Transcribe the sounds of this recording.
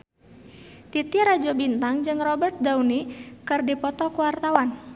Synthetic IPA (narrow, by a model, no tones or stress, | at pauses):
t̪it̪iɾad͡ʒɔbint̪aŋd͡ʒɨŋrɔbɛrt̪̚daunikɨrdipɔt̪ɔkuwart̪awan